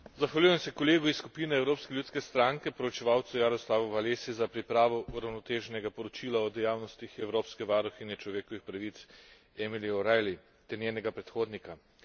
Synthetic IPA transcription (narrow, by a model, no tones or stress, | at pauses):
zaxʋalʲjujɛmsɛkɔleːɡuisːkupinɛːwɾoːpskɛlʲjuːt̪skɛst̪ɾaŋkɛpɔɾɔt͡ʃɛʋaːwt̪sujaɾɔslaːʋɔʋaleːsizapɾipɾaːʋɔʔuɾawnɔt̪eːʒɛnɛɡapɔɾɔt͡ʃiːlaɔd̪ɛjaːwnɔst̪ixɛwɾoːpskɛʋaːɾɔxinjɛt͡ʃlɔʋeːkɔʋixpɾaʋit̪s | ɛmiliɔɾajli | t̪ɛɾnʲjeːnɛɡapɾɛt̪xoːd̪nika